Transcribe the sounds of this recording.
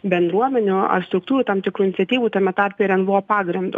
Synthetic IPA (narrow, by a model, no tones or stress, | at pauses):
bʲɛnd̪ɾuɔmʲɛnʲʊɐ̰rst̪ɾʊk̚t̪uːɾʲuːt̪ɑmt̪ʲɪkɾuːɪnʲɪtsʲɛt̪ʲiːʋuːt̪ɐmʲɛt̪ɑɾʲpʲeːɾʲɛnbʊʋoːpɑːɡɾʲɪnd̪ʊ